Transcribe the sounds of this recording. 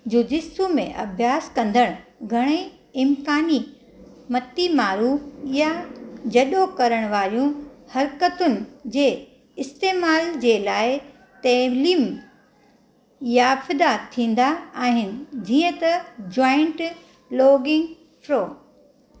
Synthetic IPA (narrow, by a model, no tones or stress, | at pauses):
d͡ʑud͡ʑɪsumḛ̃ʔɐ̰bʱjaːskɐ̃nd̪ʱəɽ̃ɡʱɐɽ̃e | ɪmkaːni | mɐt̪imaːɾufjad͡ʑɐɗokɐɾəɽ̃ʋaːɾjũhɐɾkət̪ʊnɪ̆d͡ʑeː | ɪst̪eːmaːld͡ʑeːlaːɪ | t̪ɐliːm | jafɪd̪at̪ʰĩːn̆d̪aaːɦɪnɪ̆d͡ʑiːə̃t̪ɐd͡ʑɔːɪ̃ɳʈ | lɔːɡɪ̃ŋɡ | fɾoː